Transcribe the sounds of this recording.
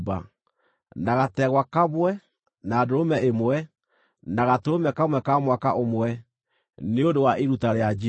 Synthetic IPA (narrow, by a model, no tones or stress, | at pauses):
ba̰ | naɣatɛɣwakaβwɛ | naːdoɾomɛemwɛ | naɣatoɾomɛkamwɛkamwakaʔomwɛ | neondowaʔeɾutaɾead͡ʒ